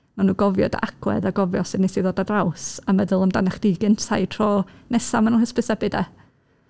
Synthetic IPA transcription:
manuːɡɔvjɔ̰da̰ʔakʰwɛ̰ðaɡɔvjɔsɨdnɛsiðoːdadrawsamɛðəlˠəmdanaχd̥iɡɪntʰajtʰrɔnɛsamanənhəspɨsɛbɨdɛ

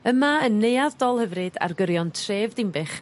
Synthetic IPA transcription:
əmaənːejaðdɔlˠhəvrɨda̰rɡəɾjɔntʰreːvdɪmbɨχ

